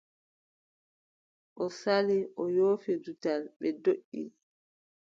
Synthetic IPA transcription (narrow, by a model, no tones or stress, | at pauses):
ʔɔsaliʔɔjoːfidutalɓɛdoʔːḭ